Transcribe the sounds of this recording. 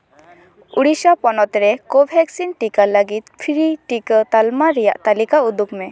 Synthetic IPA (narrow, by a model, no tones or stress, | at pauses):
uɽisapɔnɔt̪ɾɛkobʱɛksinʈikaləɡit̪̚pʰiɾiʈikət̪almaɾɛja̰ʔt̪alikaud̪ukmɛ